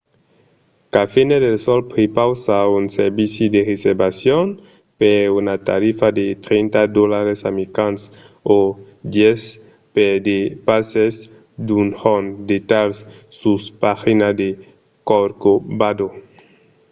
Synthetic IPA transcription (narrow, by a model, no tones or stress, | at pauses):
kafined̪elsɔlpɾepawsaunseɾbisjud̪ereseɾbasjon | peunat̪a̰ɾifad̪et̪ɾent̪ad̪olaɾesamikans | o | d̪jɛs | ped̪epases | d̪unhond̪et̪alsːuspaxinad̪e | koɾkobad̪o